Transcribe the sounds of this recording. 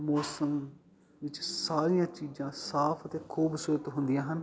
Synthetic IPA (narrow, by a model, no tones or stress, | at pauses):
mɔːsəm | ʋɪt͡ʃsaːɾijãːt͡ʃiːd͡ʒãːsaːpʰət̪eːkʰuːbsʊɾət̪ɦʊnd̪ijãːɦən